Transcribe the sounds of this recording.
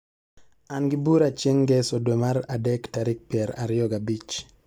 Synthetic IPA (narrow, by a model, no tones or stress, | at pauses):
anɡɪbuɾat͡ʃeŋɡɛsodwemaɾadɛktaɾɪk̚pɪɛɾa̰ɾɪjɔɡabit͡ʃ